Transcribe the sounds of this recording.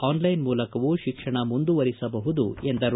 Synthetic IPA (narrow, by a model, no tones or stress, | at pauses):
aːnlɐjnmuːlɐkɐʋuʃikʂɐɳɐmund̪uʋɐɾisɐbɐɦud̪uend̪ɐɾ